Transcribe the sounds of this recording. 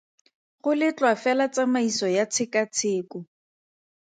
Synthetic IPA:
χʊlɪt͡ɬwafɛlat͡samaisɔjat͡sʰɪkat͡sʰɪːkʊ

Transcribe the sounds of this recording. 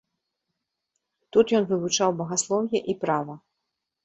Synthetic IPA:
t̪ut̪jɔnvɨvut͡ʂawbɐɣaslˠɔwjɛʔipɾavɐ

